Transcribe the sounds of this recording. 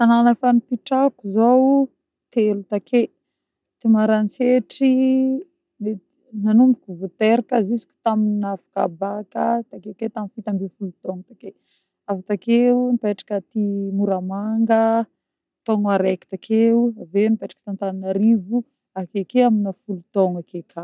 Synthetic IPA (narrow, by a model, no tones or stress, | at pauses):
t̪ananafanipiʈ͡ʂakuzow | t̪elut̪akʰe | t̪imaɾant͡seʈ͡ʂi | e | nanumbukuvut̪eɾakəzisi̥kʲi̥t̪aminafḁka̰bakət̪akeket̪aminfit̪ambifulut̪ɔŋt̪ake | avat̪akeunipeʈ͡ʂḁkət̪imuɾamaŋɡə | t̪oŋaɾeki̥t̪akʰeuavenipeʈ͡ʂḁkə̥t̪ant̪ananaɾivu | akekeaminəfulut̪ɔŋakekʰa